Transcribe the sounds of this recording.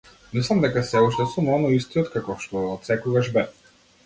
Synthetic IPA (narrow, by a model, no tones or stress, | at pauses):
mislˠamd̪ɛkasɛuʃt̪ɛsumɔnɔist̪iɔt̪kakɔʃt̪ɔɔt̪sɛkuvaʒbɛ